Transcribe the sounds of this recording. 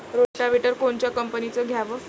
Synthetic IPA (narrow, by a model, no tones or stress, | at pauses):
ɾoʈaʋiʈəɾkoɳt͡ɕjakəmpənit͡səɡʱjaʋə